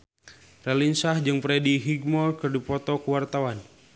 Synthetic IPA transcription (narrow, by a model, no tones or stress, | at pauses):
rɛlinsahd͡ʒɨŋpɾɛdiɦiɡmɔlkərdipɔt̪ɔkəwart̪awan